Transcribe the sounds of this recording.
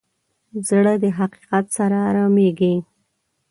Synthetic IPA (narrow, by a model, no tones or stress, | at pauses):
zɽəd̪əɦaqi̥qat̪saɾaːɾameɡi